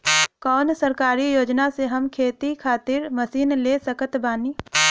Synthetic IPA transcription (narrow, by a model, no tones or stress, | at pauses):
kɔːnsəɾkaːɾijoːd͡ʒnaseɦɐmkʰeːt̪ikʰaːt̪ɪɾmɐsiːnleːsəkət̪baːniː